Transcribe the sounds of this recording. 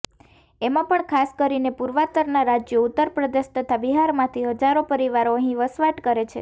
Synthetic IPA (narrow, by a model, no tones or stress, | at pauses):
emãpəɳkʰaskəɾinepuɾʋat̪əɾnaɾad͡ʒjəut̪ːəɾpɾəd̪eʃt̪ʰət̪ʰabiɦaɾmãt̪ʰiɦəd͡ʒaɾopəɾiʋaɾoəɦĩʋəsʋaʈkəɾet͡ʃʰḛ